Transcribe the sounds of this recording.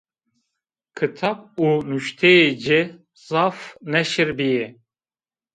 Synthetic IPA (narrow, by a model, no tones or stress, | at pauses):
kʰɨt̪ʰɑp̚unuʃt̪ʰɛjed͡ʒe | zɑfnɛʃiɾbije